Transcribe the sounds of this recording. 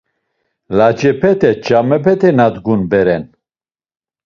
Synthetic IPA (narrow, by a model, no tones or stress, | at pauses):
lad͡ʒɛpʰɛt̪ʰɛd͡ʒamɛpʰɛt̪ʰɛnad̪ɡunbɛɾɛn